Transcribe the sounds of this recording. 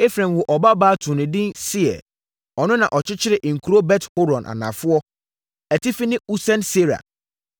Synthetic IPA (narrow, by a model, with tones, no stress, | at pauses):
e˦fɾɛ̃˨m˨wʊ˨ʔɔ˨ba˦baː˦tʰũ˨nɪ̃˨dɪ̃˦nsɪ˦ɛ̰˨ | ɔ˨nʊ̃˦nã˨ʔɔ˨t͡ɕʰɪ˦t͡ɕʰɪ˦ɾɪ˨ʔŋ̩˨kʰu˨ɾo˦bɛ˦tho˦ɾɔ̃˨nʔa̰˨nã̰˨fʊ˦ɔ˦ | ɛ˨tɪ˦fi˦nɪ̃˦u˦sɛ̃˦nse˦ɾa̰˨